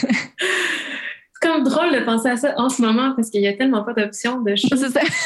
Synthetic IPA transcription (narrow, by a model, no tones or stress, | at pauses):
sɛ̥kɔmd̪ʁɔld̪əpɑ̃seasʌʔɑ̃səmɔmɑ̃paʁskʲəjat̪ɛlmɑ̃pʌd̪ɔpsjɔ̃d̪əʃɔsesa